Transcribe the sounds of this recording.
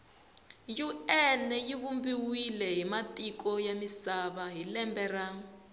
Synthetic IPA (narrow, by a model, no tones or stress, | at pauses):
juɛnɛjiβumbiwilɛɦimatikɔjamisaβaɦilɛmbɛra